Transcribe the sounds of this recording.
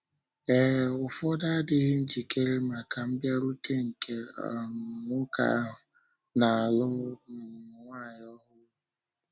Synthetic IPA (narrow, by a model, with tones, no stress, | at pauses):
e˨ʊ˨fɔ˦da˦a˦dɪ˦ɦɪ˦n̩˦d͡ʒi˨ke˦ɾe˦ma˨kʰa˨m̩˦bja˦ɾu˦te˦ŋ̩˨kʰe˦ɔ̰˨nʊ˦ka̰˨˦ɦʊ˨ | na˨a˨lʊ˦nʊ˨ŋʷa˦˨ɲ˦ɔ˦ɦʊ˦